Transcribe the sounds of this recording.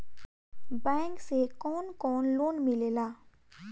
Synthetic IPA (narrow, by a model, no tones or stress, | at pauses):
bɛ̃ːŋksekɔːnkɔːnloːnmileːlaː